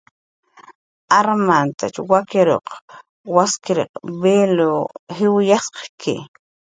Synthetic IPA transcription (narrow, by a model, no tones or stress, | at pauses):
ʔaɾmant̪a̰t͡ʃwakeɾo̰q | waskɪɾḛqbelohɪwjasqkʰɪ̰